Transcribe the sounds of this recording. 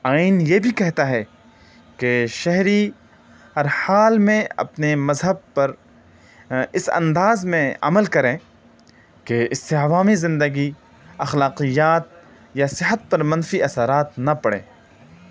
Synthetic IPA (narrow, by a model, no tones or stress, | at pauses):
aːɪnjebʱikɛɦt̪aɦɛ | keʃɛɦɾi | hɐɾhaːlmẽɐ̰pnemɐzɦəb̚pɐɾ | ɪsɐ̰̃nd̪aːzmẽɐ̰məlkɐɾẽ | keɪseɐʋaːmizɪ̃nd̪əɡi | ɐxlaːqijaːt̪̚ | jasɪɦət̪̚pɐɾmɐ̃nfiʔɐsaɾaːt̪nɐpɐɽḛ̃ː